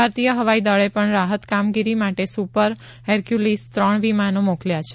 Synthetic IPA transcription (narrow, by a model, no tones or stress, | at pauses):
bʱaɾt̪ijəɦəʋaid̪əɭepəɳɾaɦət̪kamɡiɾimaʈesupəɾ | ɦɛɾkjulist̪ɾəɳʋimanõmokljat͡ʃʰe